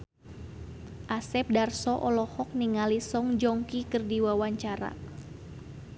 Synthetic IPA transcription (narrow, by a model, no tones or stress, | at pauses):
ʔasɛp̚darsɔʔɔlɔhɔk̚niŋalisɔŋd͡ʒɔŋkikɨrdiwawaɲt͡ʃaɾa̰